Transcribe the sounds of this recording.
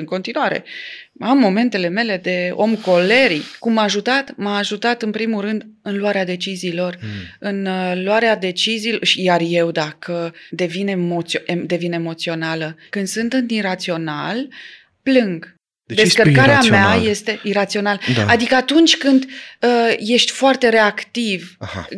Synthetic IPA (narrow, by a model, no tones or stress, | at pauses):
ɨŋko̞nt̪inuaɾe̞̰ | amːo̞me̞nt̪e̞le̞me̞le̞d̪e̞o̞mko̞le̞ɾikumːaːʒut̪at̪maːʒut̪at̪ɨnpɾimulrɨnd̪ɨnluwaɾead̪e̞t͡ʃiziːlo̞rɨnluaɾead̪e̞t͡ʃiziːloʃijarje̞wd̪akʰəd̪e̞vinemoted̪e̞vinemo̞t̪sio̞naləkɨnd̪sɨnt̪ɨnt̪inɾat̪sio̞nal | plɨŋɡ | d̪eskərkaɾeameaje̞st̪e̞ʔiɾat̪sio̞nalaad̪ikəat̪unt͡ʃʲkɨnd̪əje̞ʃt̪ʲfoart̪e̞ɾe̞akt̪ivaha̰